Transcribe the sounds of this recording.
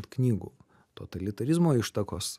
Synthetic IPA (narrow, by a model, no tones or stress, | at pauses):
t̪knʲiːɡṵː | t̪o̰ːt̪ɐlʲɪt̪ɐɾʲɪzmoːɪʃt̪ɐkoːs